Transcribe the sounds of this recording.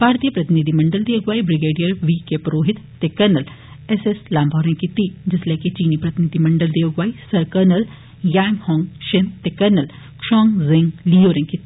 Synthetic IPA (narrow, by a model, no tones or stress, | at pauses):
bʱaːɾt̪ijəpɾɐt̪inid̪ʱimɐɳɖəld̪eːʋɡʋaːibɾɪɡeːɖijɐɾʋikepɾoːɦɪt̪ːekɐɾnɐl | eseslaːmbʱaːɾẽŋkit̪id͡ʒɪslekit͡ʃiːnipɾɐt̪ɪnid̪ʱimɐɳɖəld̪eːʋɡʋaːisɐɾkɐɾnɐl | jaːŋɡhɔːŋɡʃent̪ekɐɾnɐl | kʂɔːŋzɪ̃ŋɡlijoːɾẽŋkit̪i